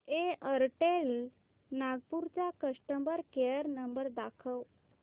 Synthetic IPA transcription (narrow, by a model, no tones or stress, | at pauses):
eəɾʈel | naɡpuɾt͡ɕakəʂʈəmbəɾkejəɾnəmbəɾd̪akʰəw